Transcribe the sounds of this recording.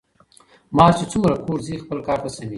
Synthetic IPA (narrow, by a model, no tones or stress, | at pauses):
mɑːt͡ʃet͡sumɾakoːɾzixpəlkɑːɾt̪asawi